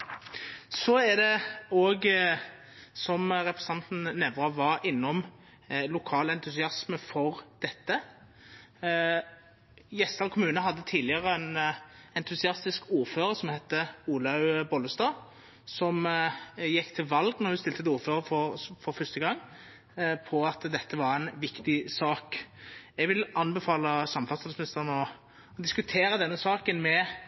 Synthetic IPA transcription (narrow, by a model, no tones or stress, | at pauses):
sɔæd̪ɛoːɡ | sɔmɾɛpʁɛsɑnt̪n̩nɛʋɾɑʋɑɾɪnːɔm | lʊkʰɑːlɛnt̪ʉsɪɑsməfɔʁd̪̥ɛt̪ːə | jɛst̪ɑlkʰʊmʉːnəɦɑd̪ːət̪ʰiːlɪəʁəɛnɛnt̪ʰʉsɪɑst̪ɪskʰuːʁføːɾəɾsɔmhɛt̪ːəuːlɑʉbɔləst̪ɑː | sɔm | jɛkːt̪ʰɪlʋɑlɡnɔʁhʉst̪ɪlt̪ət̪ɪuːʁføːɾəfɔfɔɾfœst̪əɡɑŋː | pʰɔɑt̪d̪ɛt̪ːəʋɑɾɛɪnʋɪkt̪ɪsɑːkɛɡʋɪlʔɑnbɛfɑːləsɑmːfɑt̪sɪlsmɪnɪst̪əʁnɔ | d̪ɪskʉt̪ʰeːɾəd̪ɛnːəsɑːkənmɛ